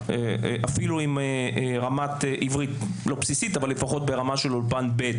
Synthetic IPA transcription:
eʔafiluimeʁamat̪eʔivʁit̪lo̞psisit̪avalefaχo̞t̪̚be̞ʁamaʃelolpanbet̪

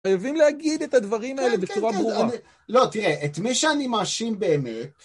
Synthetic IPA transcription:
ajavimleaɡid̪e̞t̪ad̪vaʁimaele̞bet͡suʁabʁuaani | lo̞t̪iʁeʔet̪miʃeanimaːʃimbe̞ːmet

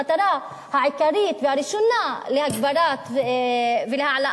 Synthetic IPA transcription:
at̪aɾa | haʕikaɾit̪vehaɾiʃonalehaɡbaɾat̪ | velehaʕalaʔ

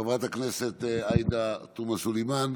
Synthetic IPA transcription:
avat̪akneset̪ajd̪at̪umasulejman

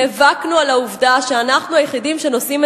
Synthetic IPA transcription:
evaknualauvdaʃeanaχnuajeχidimʃe̞no̞sime

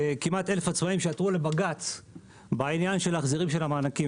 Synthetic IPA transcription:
kimat̪elefat͡smaimʃeat̪ʁule̞baɡat͡s | bainjanʃelaχziʁimʃe̞lamaːnaki

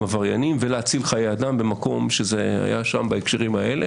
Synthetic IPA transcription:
avaʁjanimveleat͡silχajejad̪ambe̞mako̞mʃezea̰ja̰ʃambaekʃeʁimae̞le

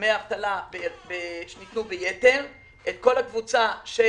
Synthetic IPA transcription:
meaavt̪alabebeʃenit̪nubejeteʁ | ʔet̪̚ko̞lakvut͡saʃe

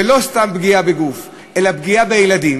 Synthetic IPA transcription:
elo̞st̪ambɡiabeɡuf | ʔe̞labɡiabejlad̪im

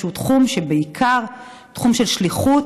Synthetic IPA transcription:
utχumʃebeikʰaʁ | tχumʃe̞lʃliχut

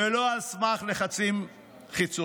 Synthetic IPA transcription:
eloasmaχle̞χat͡sim | χit͡so

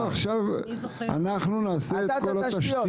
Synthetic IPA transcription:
aχʃava̰naχnunaːseːkolataʃ

